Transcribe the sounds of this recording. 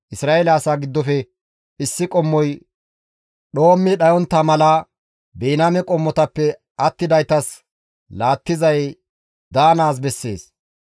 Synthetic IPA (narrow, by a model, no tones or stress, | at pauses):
ʔɪsɾaːelaːsaːɡɪd̪ːɔfɛ | ɪsːɪkʼɔmːɔj | ɗo̞ːmːɪɗɐjɔnt̪ːɐmɐla | beːnamɛkʼɔmːɔt̪ɐpːɛ | ɐt̪ːɪd̪ɐjt̪ɐs | laːt̪ːɪzɐj | d̪aːnaːs̬bɛsːe̞̰ːs